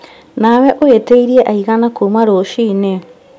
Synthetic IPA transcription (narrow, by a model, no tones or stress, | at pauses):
nawɛʔoeteiɾiɛʔaiɣanakomaɾoʃiːne